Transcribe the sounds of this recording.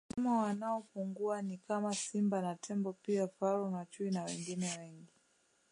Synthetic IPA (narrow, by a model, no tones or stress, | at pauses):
amɔwanaɔpuŋɡuanikamasimbanatʰɛmbɔpiafalɔnat͡ʃuinawɛ̰ŋɡinɛwɛŋɡi